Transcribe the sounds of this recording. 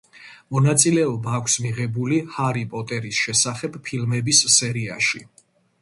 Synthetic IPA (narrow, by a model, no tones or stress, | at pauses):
mɔnat̪sʼilɛɔbaːkʷʰsmiʁɛbulihaɾipʼɔt̪ʼɛɾisʃɛsaχɛbpʰilmɛbisːɛɾia̰ʃi